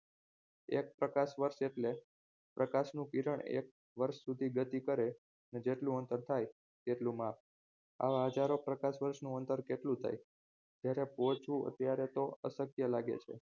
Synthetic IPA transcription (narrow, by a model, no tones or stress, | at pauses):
ek̚pɾəkaʃʋəɾʃeʈle | pɾəkaʃnũkiɾəɳḛk̚ | ʋəɾʃsud̪ʱiɡət̪ikəɾe | ned͡ʒeʈlũənt̪əɾt̪ʰaj | t̪eʈlũmap̚ | a̰ʋaɦəd͡ʒaɾopɾəkaʃʋəɾʃnũənt̪əɾkeʈlũt̪ʰa̰j | t̪jaɾepot͡ʃʰũə̰t̪jaɾet̪oə̰səkjəlaɡḛt͡ʃʰḛ